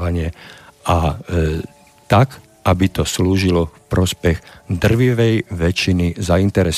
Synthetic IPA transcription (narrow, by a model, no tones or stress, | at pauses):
aɲɪɛʔa | t̪ak | ʔabit̪ɔsluːʒilɔfpɾɔspɛɣd̪r̩ʋiʋɛjʋɛt͡ʃinizaint̪ɛɾɛs